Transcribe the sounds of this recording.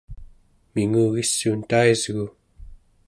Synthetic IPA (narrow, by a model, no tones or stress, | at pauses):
miŋuːɣisːuːnt̪aizɣu